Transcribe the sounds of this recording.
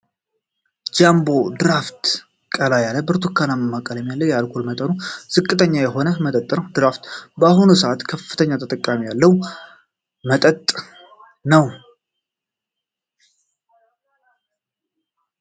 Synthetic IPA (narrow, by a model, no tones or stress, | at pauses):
d͡ʒambo̞d̪ɨɾaft̪ | kʼəlajalːəbɨɾt̪ʰukʰːanaməmːakʼəlɛmjalːəwjalkʰulmət̪ʼənuz̥ɨkʼːɨt̪ʰəɲːajɛɦo̞nəmət̪ʼət̪ʼːnəwd̪ɨɾaft̪bəahunusəʔat̪kʰəfːɨ̥t̪ʰəɲːat̪ʰət̪ʼəkʼːamijalːəw | mət̪ʼət̪ʼ | nəw